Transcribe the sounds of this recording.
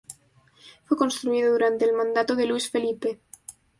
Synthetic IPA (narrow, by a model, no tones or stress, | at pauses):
fwekonst̪ɾuiðoðuɾant̪eːlmãnd̪at̪oðeluisfelipe